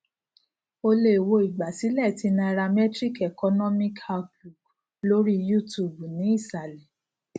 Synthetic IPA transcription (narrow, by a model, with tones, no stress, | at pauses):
o˧le˦˨wo˧i˨ɡ͡ba˨si˨˦lɛ˦˨ti˧nã˧ɾa˧mɛ˦tɾi˦˨kɛ˨kɔ˧nɔ̃˦mĩ˦ka˦ku˨ɡ | lo˦ɾi˦ju˦˨tu˦˨bu˨nĩ˨˦i˦˨sa˨lɛ˨